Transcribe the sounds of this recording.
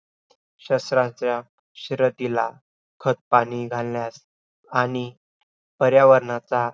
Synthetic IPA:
ɕəsɾãt͡sja | ɕiɾət̪ila | kʰət̪̚paɽ̃iɡʱalljas | aɽ̃i | pəɾjaʋəɾɳat͡sa

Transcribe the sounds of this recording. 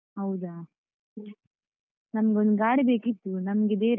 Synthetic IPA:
ɦɐwd̪aː | nɐmɐɡond̪ɡaːɽibeːkit̪ːunɐmɡed̪eːɾ

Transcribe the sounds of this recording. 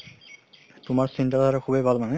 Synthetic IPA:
tʊmaɹsintatʰaɹɛkʰubejbʱalmanɛ

